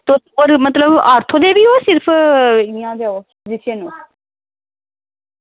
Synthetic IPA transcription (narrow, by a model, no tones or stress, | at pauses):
t̪oːoːɾmət̪ləbaːɾt̪ʰõːd̪eːbiːoːsɪɾpʰɪjãːɡeːoː | zɪʃənõ